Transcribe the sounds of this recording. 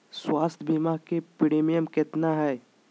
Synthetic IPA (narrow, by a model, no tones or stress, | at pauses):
swaːst̪ʰbʱimakepɪɽeːmijəmkɪt̪naɦɛː